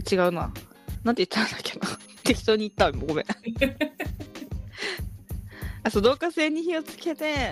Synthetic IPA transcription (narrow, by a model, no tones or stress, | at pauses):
t͡ɕiɡaɯ̟na̰ | nãnt̪eit̪ːaãnaked̪o | t̪e̞kʲi̥t̪o̞ːɲ̟it̪ːaoimoɡome | asod̪o̞ːkase̞ːɲ̟içio̞t͡sɨ̥ke̞t̪e̞